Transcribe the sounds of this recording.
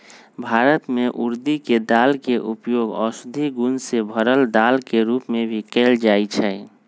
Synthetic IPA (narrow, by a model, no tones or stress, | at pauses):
bʱaːɾət̪meʔuɾd̪iked̪alkeʔupjoɡɔ̰sʊd̪ʱiɡunsebʱəɾəld̪alkeɾupmẽbʱikeld͡ʒait͡ʃʰɛ